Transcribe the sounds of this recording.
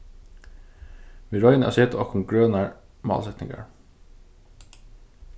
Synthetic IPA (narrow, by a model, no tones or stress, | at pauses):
ʋiɾɔʏnæ̰seːt̪əɔkʊŋɡɹøːnɑɹ | mɑ̰ːlsɛt̪nɪ̰ŋɡɑ̰ɹ